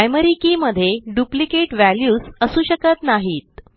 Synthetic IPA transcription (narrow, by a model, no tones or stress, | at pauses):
ajməɾikiːməd̪ʱːjeɖuplikeʈʋæljuːsəsuːɕəkət̪naɦiːt̪̚